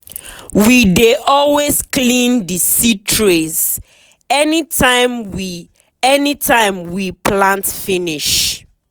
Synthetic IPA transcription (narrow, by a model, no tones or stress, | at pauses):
wideʔɔlwesklĩndisitʰɹez | ɛnitãɪmwi | ɛnitʰãɪmwiplãntfĩniʃ